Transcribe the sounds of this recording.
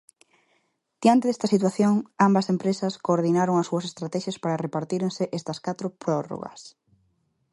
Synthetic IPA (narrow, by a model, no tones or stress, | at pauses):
d̪̥jant̪eðest̪ɐsit̪waθjoŋambɐsempɾesɐskoːɾðinaɾoŋɐsuɐsest̪ɾat̪ɛʃjaɐspaɾɐrepaɾt̪iɾeŋsɪʔest̪ɐskat̪ɾʊpɾɔro̰ɣɐ̰s